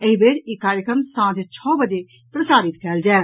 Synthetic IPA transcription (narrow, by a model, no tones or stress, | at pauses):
eibeːɽɪkːaːɾjəkɾəmsãːd̪et͡ʃʰɔːbəd͡ʒeː | pɾəsaːɾɪt̪kʰɛːld͡ʒɛː